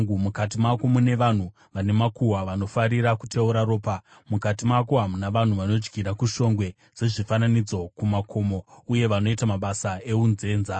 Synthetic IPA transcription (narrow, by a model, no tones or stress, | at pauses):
umukat̬imakomune̞ʋan̤u | ʋane̞makuwaʋano̞faɾiɾakutʰe̞uɾaɾo̞ːpa | mukat̬imako̞ɦamunaʋan̤uʋano̞d͡ʒɡiɾakuʃo̞ŋɡwe̞ | d͡ze̞ʐifananid͡zo̞kumakʰo̞mo̞uje̞ʋano̞itamaɓasae̞unze̞ːnza